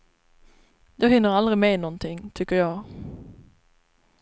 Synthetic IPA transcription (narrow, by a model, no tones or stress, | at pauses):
d̪oːhʏnːəʁɑlʁɪmeːnɔnt̪ʰɪŋt̪ʰʏkəʁjæɪ